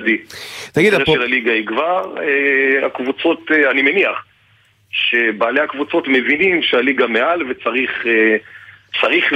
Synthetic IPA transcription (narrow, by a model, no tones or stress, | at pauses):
dit̪aɡid̪ʁeʃelaliɡaiɡvaʁea̰kvut͡so̞teanimeniaχ | ʃe̞baːlejakvut͡so̞tme̞vinimʃealiɡame̞alve̞t͡saʁiχe | t͡saʁiχ